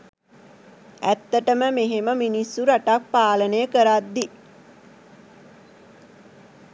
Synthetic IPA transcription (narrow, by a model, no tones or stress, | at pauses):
æt̪ːəʈəməmeɦeməminisːuɾaʈak̚paːlənəjəkəɾat̪d̪i